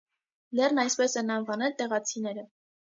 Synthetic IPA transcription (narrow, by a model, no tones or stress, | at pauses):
lɛrnɑjspɛsɛnɑnvɑnɛlt̪ɛʁɑt͡sʰinɛɾə